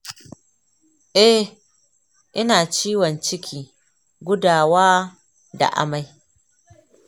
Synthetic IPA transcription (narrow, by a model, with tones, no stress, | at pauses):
ʔɛ˦ | ʔɪ˦naː˨t͡ʃiː˦wɔ˨nt͡ʃɪ˦kʲʰiː˨ | ɡʷʊ˦daː˨waː˦ | da̰˨ʔa̰˦ma˨j